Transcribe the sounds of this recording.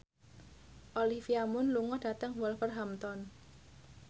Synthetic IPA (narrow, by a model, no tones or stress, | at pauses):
ʔolifiamʊnluŋɔd̥a̤t̪əŋwɔlfərɦamt̪ɔn